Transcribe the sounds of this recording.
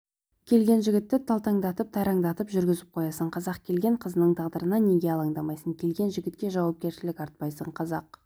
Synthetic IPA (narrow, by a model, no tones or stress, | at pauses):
kʲʰe̞lɡʲe̞nʒɪɡʲɪt̪ːɪt̪ʰɑlˠt̪ɑŋd̪ɑt̪əp̚t̪ʰɑjɾɑŋd̪ɑt̪əpʒʏɾɡʲɪzɪp̚qʰo̞jɑsəɴqʰɑzɑqkʲʰe̞lɡʲe̞ɴqʰəzənəɴt̪ʰɑʁd̪əɾənɑne̞ɡʲe̞ɑlˠɑŋd̪ɑmɑjsəŋkʲʰe̞lɡʲe̞nʒɪɡʲɪt̪̚kʲe̞ʒɑwɑp̚kʲe̞ɾʃɪlɪkʲɑɾt̪̚pɑjsəɴqʰɑzɑq